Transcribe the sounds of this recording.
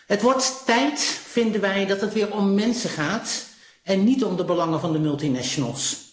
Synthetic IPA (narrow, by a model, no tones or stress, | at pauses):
ɦətʋɔɹttɛjtfɪndənʋɛjdɑtɦətʋɪːɹɔmːɛnsəχaːt | ɛnːitɔmdəbəlɑŋəvɑndəmɵlˠtinɛʃonə̰lˠs